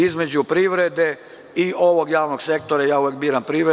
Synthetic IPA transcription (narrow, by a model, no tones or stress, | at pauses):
izme̞d͡ʑupɾiʋɾe̞d̪e̞ | iʔo̞ʋo̞ɡjaːʋnoɡ̥se̞k̚t̪oɾajaːuje̞k̚biːɾampɾiʋɾe